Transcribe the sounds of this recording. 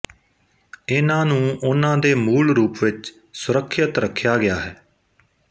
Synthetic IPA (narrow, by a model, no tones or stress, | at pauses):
ɪnãːnũːʔʊnãːd̪eːmuːlɾuːpʋɪt͡ʃ | sʊɾəkʰːət̪ɾəkʰːjaːɡɪjaːɦɛː